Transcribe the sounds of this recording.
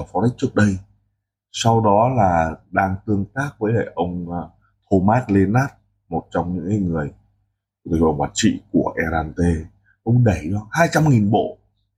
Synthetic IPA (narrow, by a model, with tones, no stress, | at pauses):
fɔ˨˧ɾi˦˥k̚t͡ɕɨ˦˥ək̚ɗə˧j | sa˧wɗɔ˨˦laː˨˩ɗaː˧ŋt̪ɨ˧əŋt̪aː˦˥k̚vəː˨˦jle˧˩ʔə˧wŋ͡m | t̪ʰo˧maː˦˥t̚le˧naː˦˥t̚ | mo˨˩t̚t͡ɕɔ˧wŋ͡mɲɨ̰˧˥ŋkaː˨˦jŋɨ˨˩əj | t̪ːə˧wŋ͡mwaː˨˧˩t̚t͡ɕḭ˧˨ku˧˩əʔɛ˧ɾaː˧nt̪e˧ | ʔə˧wŋ͡mɗə˧˩jɗaː˧haː˧jt͡ɕa˧mŋi˨˩nɓo̰˧˨